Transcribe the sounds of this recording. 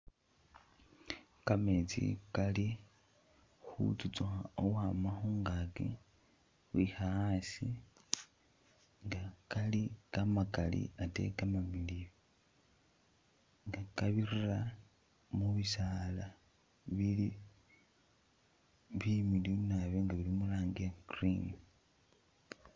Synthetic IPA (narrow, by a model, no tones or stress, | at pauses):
kamet͡sḭkali | xṵt͡sut͡suxaowamaxuŋɡakḛ | xwixaasi | ŋɡakalikamakalḭatḛkamamiliβo | ŋɡakaβirira | muβisaːla | βili | βimilinaβeŋɡaβilimulaːŋɡekrim